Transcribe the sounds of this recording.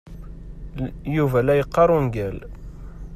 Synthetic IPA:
juvælæjəqːɑɾˤunɡæl

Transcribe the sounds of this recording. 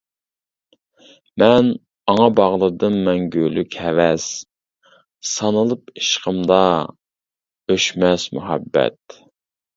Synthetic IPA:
mɛn | ɑŋɑbɑʁlˠɨɾd̪ɨmmɛnɡʲølykʲʰɛvɛs | sɑnɨlˠɨpiʃqʰəmd̪ɑ | øʃmɛsmṵɦɛ̰bːɛ̰t̪̚

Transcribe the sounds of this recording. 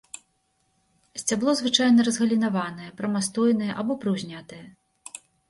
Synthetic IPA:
sʲt͡sʲablˠɔzvɨt͡ʂajnɐɾɐzɣɐlʲinavanɐjɛpɾɐmast̪ɔjnɐjɛʔabɔpɾɨwzʲnʲat̪ɐjɛ

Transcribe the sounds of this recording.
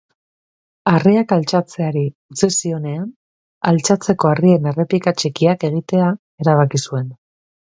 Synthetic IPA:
ariakalt͡ʃat͡se̞aɾiut͡sisio̞ne̞an | alt͡ʃat͡se̞ko̞arie̞ne̞re̞pikat͡ʃekiake̞ɣ̞it̪e̞a | e̞ɾaβ̞akisue̞n

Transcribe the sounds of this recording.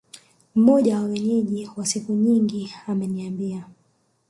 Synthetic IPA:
m̩mɔʄawawɛɲɛʄiwasikuɲiŋɡiamɛniambia

